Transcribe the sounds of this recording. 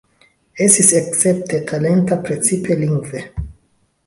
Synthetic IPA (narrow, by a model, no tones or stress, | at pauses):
estiseksep̚t̪ʰetʰalent̪apɾet͡sipʰeliŋɡve